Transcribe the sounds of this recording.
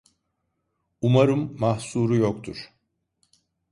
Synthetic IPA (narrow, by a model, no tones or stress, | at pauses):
umaɾɯmːahsuːɾujokt̪ʰuɾ̥